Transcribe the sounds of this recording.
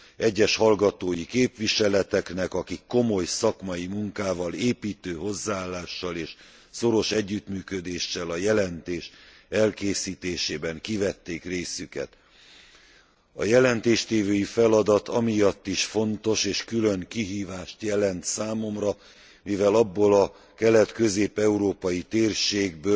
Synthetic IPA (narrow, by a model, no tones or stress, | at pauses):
ɛɟːɛʃhɒlɡɒt̪oːjikeːpʋiʃɛlɛt̪ɛknɛkɒkikːo̞mo̞jsɒkmɒjimuŋkaːvɒleːpiːt̪øːɦo̞zːaaːlːaːʃːɒleːʃ | so̞ɾo̞ʃɛɟːyt̪myːkød̪eːʃːɛlɒjɛlɛnt̪eːʃ | ɛlkeːsiːt̪eːʃeːbɛŋkivɛt̪ːeːkreːsykɛ̰t̪ | ɒ̰jɛlɛnt̪eːʃt̪eːvøjifɛlɒd̪ɒt̪ɒmijɒt̪ːiʃfo̞nt̪o̞ʃeːʃkyløŋkiɦiːvaːʃt̪jɛlɛnt̪saːmo̞mrɒ | mivɛlɒbːolɒ | kɛlɛt̪kø̞zeːpɛuɾoːpɒjit̪eːrʃeːɡbøː